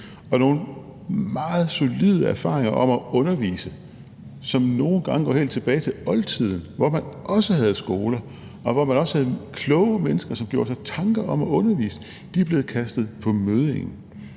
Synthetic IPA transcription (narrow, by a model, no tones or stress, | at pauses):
ɒ̽no̝ːn | mɑ̈ːð̩ˠso̝lið̞ˠəæɐfɑ̈ːʁeŋɐʔɒ̽mɒɔ̽nɐʋḭːsə | sɒ̽mno̝ːn̩ɡ̥ɑ̈ŋəɡ̥ɒ̰ːhe̝̰ld̥t͡sʰe̝b̥ɛːɪt͡sʰe̝ɒ̽lt͡sʰið̰ˠn̩ʋɒmænʔɒ̽səɦæð̞̩ˠsɡ̥o̝ːlɐ | ɒ̽ʋɒmænɒ̽shæð̞̩ˠkʰlɔʊəmenəsɡ̥ɐsɒ̽mɡ̥jo̝ːɐsɑ̈ɪt͡sʰɑ̈ŋɡ̥ɐʔɒ̽mɒɔ̽nɐʋḭːsə̥ | d̥ib̥le̝ːð̩ˠkʰæsd̥ð̞̩ˠpʰɒ̽møð̞ˠeŋn̩